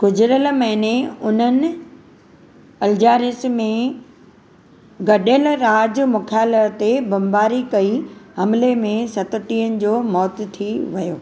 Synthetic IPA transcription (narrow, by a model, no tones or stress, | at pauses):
ɡ̥ʊd͡ʑɪɾəlmɐɦɪneʊn̤ənɪ̆ | ɐld͡ʑaːɾɪsmẽ | ɡɐɗəlɾaːd͡ʑmʊkʰaːlət̪ebɐmbaːɾikɐiɦɐmlemẽsɐt̪ʊ̆ʈiːənɪ̆d͡ʑoːmɔːt̪t̪ʰiʋɐjoː